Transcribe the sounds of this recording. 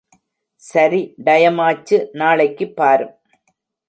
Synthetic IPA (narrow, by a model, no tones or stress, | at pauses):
sɐɾiɖɐjɐmaːt͡ʃːɯnaːɭɐɪkːɯpːaːɾɯm